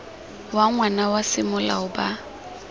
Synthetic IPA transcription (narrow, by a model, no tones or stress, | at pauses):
waŋwanawasɪmʊla̰ʊba